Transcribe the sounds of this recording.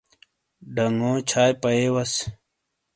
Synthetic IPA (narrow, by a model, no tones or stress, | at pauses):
ɖɐŋõːt͡ɕʰaːjpɐeːwɐs